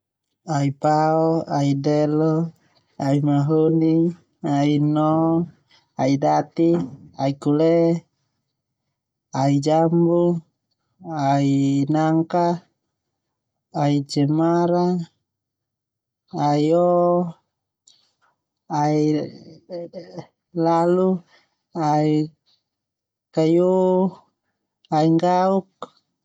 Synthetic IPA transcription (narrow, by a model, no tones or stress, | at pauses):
aipaɔaidɛlɔ | aimaɦoni | ainɔ | aidat̪iaikulɛ | aid͡ʒambu | ainaŋka | aid͡ʒɛmaɾa | aiɔ | ai | lalu | ai | kajo | aiŋɡauk̚